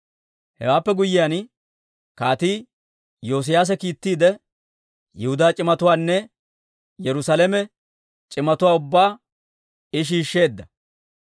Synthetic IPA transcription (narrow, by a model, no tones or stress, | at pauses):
hɛ̰waːpːɛɡʊjːɪjan | kaːt̪iː | jo̞ːs̬ɪjaːs̬ɛkiːt̪ːiːd̪ɛ | jɛhʊd̪aːt͡ʃʼɪmɐt̪ʊwaːnːɛ | jɛɾʊsalɛmɛ | t͡ʃʼɪmɐt̪ʊwaːʊbːaː | ɪʃ̬iːʃːe̞ːd̪ːɐ